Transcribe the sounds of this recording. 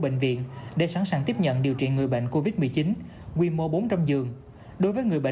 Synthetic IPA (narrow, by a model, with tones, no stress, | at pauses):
ɓḛ˧˨ŋ̟vḭ˧˨ənɗḛ˧˩sa˧˥nsaː˨˩ŋt̪i˦˥əp̚ɲə̰˧˨nɗi˨˩əwt͡ɕḭ˧˨nŋɨ˨˩əjɓə̰˧˨jŋ̟ko˧vi˦˥t̚mɨ˨˩əjt͡ɕi˨˦n | kwi˧˩mo˧ɓo˨˦nt͡ɕa˧mzɨ˨˩əŋ | ɗo˨˦jvəː˨˦jŋɨ˨˩əjɓə̰˧˨